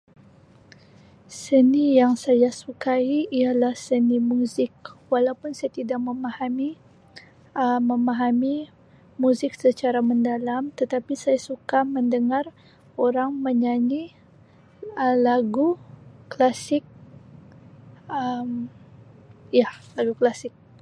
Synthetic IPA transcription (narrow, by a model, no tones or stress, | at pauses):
sənijaŋsajasukaiʔialahsənimuzɪk̚walawpʊnsajat̪idakməmahami | əməmaɦami | muzɪksət͡ʃaɾaməndalamt̪ət̪apisajasukaməndəŋar | oɾaŋməɲaɲi | əlaɡuklasɪk̚ | əm | ijalaɡuklasɪk̚